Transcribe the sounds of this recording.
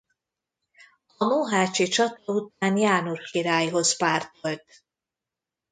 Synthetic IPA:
ɔmuɦaːt͡ʃit͡ʃɒt̪ɔut̪̚aːnjaːnurxiɾaːjɦozpaːrt̪olt̪

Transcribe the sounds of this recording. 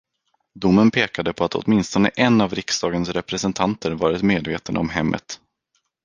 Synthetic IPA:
d̪ʊmːənpʰeːkad̪əpʰɔat̪ɔ̰t̪mɪnst̪ɔnə̰ʔɛnːavɾɪksd̪ɑːɡənsɾɛpɾɛsɛnt̪ʰant̪ʰəɾvɑːɾɪt̪meːd̪veːt̪ənd̪əɔmɦɛmːʔə̰t̪

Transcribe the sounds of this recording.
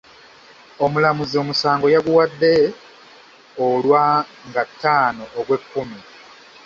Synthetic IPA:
o̞mulamuzio̞musaːŋɡo̞jaɡuwadːe̞ | olwaŋɡatːaːno̞ʔːɡwe̞kːumi

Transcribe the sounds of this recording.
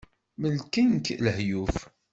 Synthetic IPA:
məlkænkləhjuf

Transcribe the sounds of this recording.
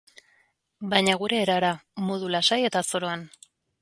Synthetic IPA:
bajɲaɣ̞uɾe̞ːɾaɾamoðulasaje̞t̪aso̞ɾo̞an

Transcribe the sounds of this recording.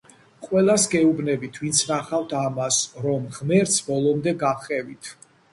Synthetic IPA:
qʼwɛlˠasɡɛubnɛbit̪ʰvint̪sʰnaχaft̪ʰamasɾɔmʁmɛɾt̪sʰbɔlˠɔmd̪ɛɡaχɛvit̪ʰ

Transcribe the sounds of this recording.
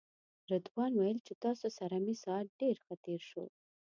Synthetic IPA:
ɾad̪wɑnwajəlt͡ʃet̪ɑsosaɾamisɑat̪̚ɖeɾxət̪eɾʃo̰

